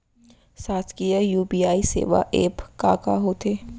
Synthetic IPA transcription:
saːt̪kijajuːbiːaːisḛːʋa̰ʔḛːpkaːka̰ɦoːt̪ʰeː

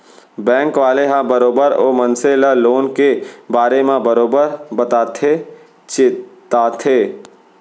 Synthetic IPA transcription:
bɛ̃ːŋkʋaːleɦãbəɾoːbəɾo̰ːmənselaloːnkebaːɾemãbəɾoːbəɾbət̪aːt̪ʰe | t͡ʃɪt̪aːt̪ʰeː

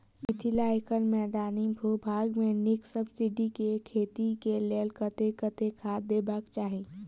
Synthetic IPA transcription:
mɪt̪ʰɪlaekənmɛːd̪aːnibʱubʱaːɡmẽnɪksəbsɪɖikekʰeːt̪ikeleːlkət̪ekət̪ekʰaːd̪eːbakt͡ʃaːɦĩː

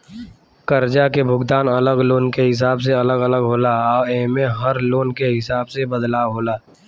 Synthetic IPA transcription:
kəɾd͡ʒakebʱʊɡd̪aːnələɡloːnkeɦɪs̬aːbs̬eɐləɡələɡɦoːlaɔːeːmẽɦəɾloːnkeɦɪsaːbsebəd̪laːwɦoːlaː

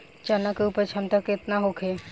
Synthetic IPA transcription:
t͡ʃanakeupət͡ʃʰəmt̪əkɪt̪naɦokʰe

